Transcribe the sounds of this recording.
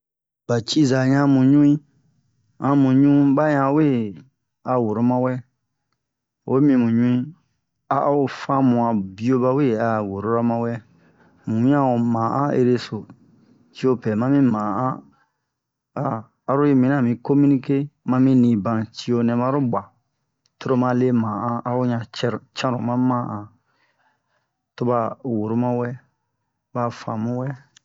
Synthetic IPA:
b̥a˨t͡ʃi˦za˨ɲã˦mũ˨ɲũ˦ĩ˦ | ã˧˦mũ˨ɲũ˦ba˦ɲã˧˦we˦˨ | a˨wo˨ɾo˦mã˧wɛ˦ | wo̰˦mĩ˧mũ˨ɲũ˦ĩ˦ | a˨ʔo˨fã˦mũ˨ã˨bi˦o˧ba˧we˦˨a˨wo˨ɾo˦ɾa˦mã˧wɛ˦ | mũ˨˦ã˦wo˨mã˨ʔã˦ḛ˧ɾe˧so˨ | t͡ʃi˦o˦pɛ˨mã˦mĩ˦mã˨ã˦ | aː˨ | ɾo˦je˦mĩ˨nã˦˨mĩ˨ko˦mĩ˦nĩ˦ke˦mã˦mĩ˦nĩ˨bã˨ti˦jo˧nɛ̃˨ba˦ɾo˦bʷa˨ | to˦ɾo˦mã˧le˦mã˨ʔã˦ʔa˨o˦ɲã˨t͡ʃɛ˦ɾt͡ʃã˦ɾṵ̃˨mã˦mã˦ʔã˨ | to˧ba˧wo˨ɾo˦mã˦wɛ˦ | ba˨fã̰˨mũ˨˦wɛ˦

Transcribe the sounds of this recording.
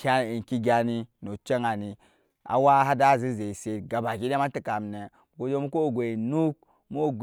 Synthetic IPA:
ka˦˨i˨n˨ki˦ɡʲa˨ni˦no˨t͡ʃe˦ŋa˨ni˨ | a̰˨wa˦ɦa˦da˦˨zi˦ze˨i˨se˨ɡa˨ba˨ki˦de˦ma˦ti˨ka˨m˨ne˨ | ɡo˨d͡ʒo˦mu˦ko˦˨ɡʷe˨nu˦k̚ | mo˦˨ɡ

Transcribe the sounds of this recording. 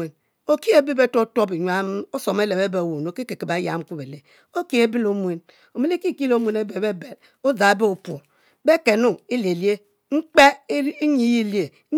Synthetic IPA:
e˨n | o˦ki˦e˦bi˦be˦to˦to˦bi˨ɲʷa˦m˦o˦so˨m˦e˦le˨be˦be˨wo˨n˨o˨˦ke˦ke˨ki˨ba˨˦ja̰˨˦m˦ku˦be˨le˨ | o˦ki˦e˦bi˦lo˦mwe˨n | o˨me˦li˦ki˦˨ki˦lo˦mʷ˦e˨ne˦be˨be˦be˨l | o˦za˨˦be˦o˨po˨ | be˦ke˨nu˦i˦le˨lje˦ | ŋ͡m̩˦k͡pe˦i˦ɲi˨ji˦˨li˦e˨˦

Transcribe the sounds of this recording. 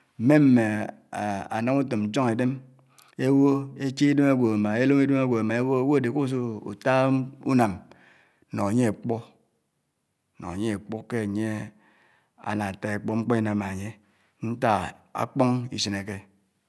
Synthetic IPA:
m̩˨me˦m̩˦me˨ | a̰˨na˦mu˦tɨ˨m̩˨˦t͡ʃo˦ŋe˨de˦m | e˦wo˦e˦t͡ʃi˦i˦de˦me˦ɡʷo˨a˨ma˨e˦lo˦mi˦de˦ma˦ɡʷo˨a˨ma˨e˦wo˦wo˦e˨de˨ko˦s̬o˦ṵ˨ta˦ṵ˦na˨m˦ | no˨a˨ɲe˦e˨k͡po˦ | no̰˨ŋa˨ɲe˦e˨k͡po˦ke˦˨ɲe˦ | a̰˨na˨ta˨e˨k͡po˦ŋ͡m̩˦k͡po˦i˦na˨ma˨ɲe˦ | n̩˦ta˦a̰˨k͡po˦ŋḭ˨sɨ˨ne˨ke˦

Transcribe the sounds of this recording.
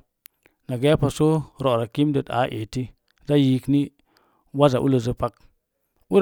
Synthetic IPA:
na˨ɡe˦a˦pa˨so˦ɾo˨ʔɾa˨ki˦mdə˨ta̰˨˦ʔe˨ti˦ | za˦ji˦kni˦ | wa˦za˨ʔṵ˦lə˨zə˦pa˦k | u˦ɾ

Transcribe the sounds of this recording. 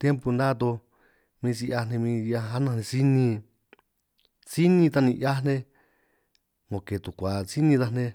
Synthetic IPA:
t̪je˦mpu˧nd̪ã˦˧t̪o˧ | mĩː˧si˧a˧nẽ˧mĩ˧ja˧a˦nã˧˨nẽ˧si˦nĩ˧ | t͡si˦nĩ˧t̪a˧nĩ˧ʔja˦n̥ẽ˧ | ŋõ˨ke˨t̪u˨kʷa˨t͡si˦nĩ˧ða˧nẽ˧

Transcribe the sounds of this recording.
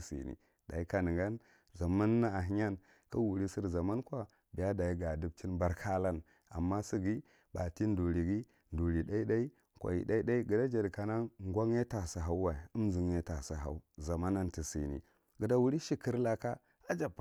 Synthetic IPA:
sḭ˨nḭ˨ | da̰˨i˦ka˨nə˨ŋɡa˦n | za˨ma˦nːa˦a˨ɦi˦ɲa˦n | ka˦wu˨ɾi˦si˦ɾza˨ma˦nkʷa˦ | bi˨ja˦da˨i˦ɡa˨du˦b̚t͡ʃi˦nba˦ɾkʰa˦la˦n | a̰˨mːa˦si˦ɡi˦ | ba˨ti˦n˦du˨ɾi˨ɡi˦ | ndu˨ɾi˨da˦i˦da˦i˦ | kʷa̰˨jḭ˨da˦i˦da˦i˦ɡə˨da˦d͡ʒa˨dka˨na˦ŋɡʷa˦ŋ˦e˦ta˨sa˨ɦa˦u˦wa˨u˦m˦zi˨ŋje˦ta˨sa˨ɦa̰˨u˦za˨ma˦na˦nti˨sḭ˨nḭ˨ | ɡə˨da˦wu˦ɾi˦ʃi˦ki˦ɾla˦ka˦ | a˦d͡ʒa˨p

